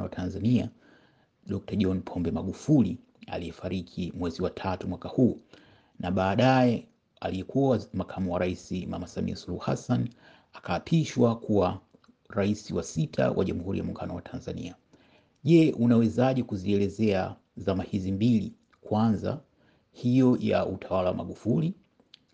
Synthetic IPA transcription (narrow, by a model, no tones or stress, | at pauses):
watʰanzania | ɗɔk̚taʄɔnpʰɔmbɛmaɠufuli | a̰lijɛfaɾikʰimwɛziwatʰatumwakahuː | naɓaːɗajɛ | aliɛkuamakʰamuwaɾaisimamasamḭasuluhuhasan | akaːpʰiʃwakʰuwa | ɾaisiwasitʰa̰wʔa̰ʄamuhuɾijamuŋɡanɔwatʰanzanḭa | ʄɛʔunawɛzaʄikuziɛlɛzɛa | zamahizimbili | kwanza̰ | hijɔja̰utʰawalawamaɠufuli